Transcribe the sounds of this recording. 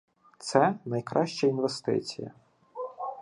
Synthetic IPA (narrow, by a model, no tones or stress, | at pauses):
t̪sɛnɐjkɾʔɑʃt͡ʃɐinʋest̪ɪ̰t͡sʲijɐ̰